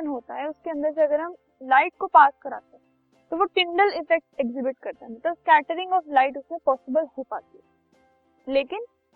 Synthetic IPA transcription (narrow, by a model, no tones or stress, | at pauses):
ənɦoːt̪aɦɛʊskeɐ̃nd̪əɾs̬eɐɡəɾɦɐm | laːɪʈ̚kopaːskɐɾa̰ːt̪eɦɛ̃ | t̪oʋoʈɪ̃ɳɖəlɪfɛk̚ʈekzɪbɪʈkɐɾt̪aɦɛ̃mɐt̪ləbskɛːʈəɾɪ̃ŋɡɔːflaːɪʈʊsmẽpɔːsɪbəlhopaːt̪iɦɛ | leːkɪn